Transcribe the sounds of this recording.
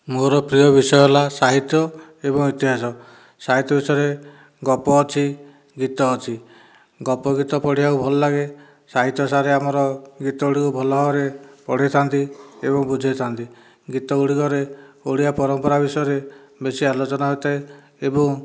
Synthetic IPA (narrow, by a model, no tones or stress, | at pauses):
moɾɔpɾiɔbisɔjɔlasaɦit̪jɔebɔŋit̪iɦasɔ | saɦit̪jɔbisɔɾe | ɡɔpɔːt͡ʃʰi | ɡit̪ɔːt͡ʃʰi | ɡɔpɔɡit̪ɔpɔɽ̤ijaubʱɔlɔlaɡe | saɦit̪jɔsaɾeamɔɾɔɡit̪ɔuɽikubʱɔlɔɦɔɾepɔɽ̤et̪ʰant̪iḛβɔŋbud͡ʒʱet̪ʰant̪i | ɡit̪ɔuɽikɔɾeoɽ̤ijapɔɾɔmpɔɾabisɔjɔɾebesialot͡ʃɔnaɦojt̪ʰae | ebɔŋ